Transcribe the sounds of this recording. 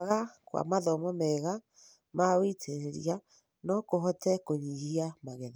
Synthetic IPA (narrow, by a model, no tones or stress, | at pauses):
ɣakwa̰maðɔmɔmɛɣa | mawitʰeɾeɾḭa | nɔkoɦɔtɛkoɲiɣiamaɣɛða